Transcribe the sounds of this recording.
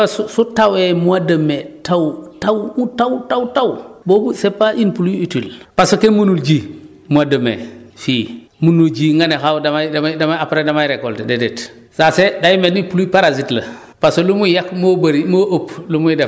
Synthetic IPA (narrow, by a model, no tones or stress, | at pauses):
asusutawemuwadəmetawtawutawtawtawbobusepːaʔinpulujitilpasokemunuld͡ʒi | muadəmḛfi | munuld͡ʒiːŋɡanexawdamadamadamaapɾedamajɾekoltededet | sasedajmenipulujpaɾazitlɐ | pasolumujakmobaɾimoʔoplumude